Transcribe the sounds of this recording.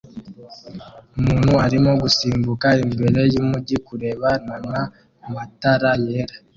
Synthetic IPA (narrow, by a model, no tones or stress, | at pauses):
omuːnhuaɾimo̞ɡusiːmbukaemiβeɾejimuɟikuɾe̞βanama | mataɾajeɾa